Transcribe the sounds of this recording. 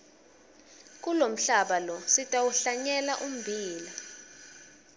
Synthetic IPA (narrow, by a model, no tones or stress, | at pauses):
k̬ʼulom̩ɬaɓalɔsitʼawuɬaɲɛlaʔum̩bʱiːla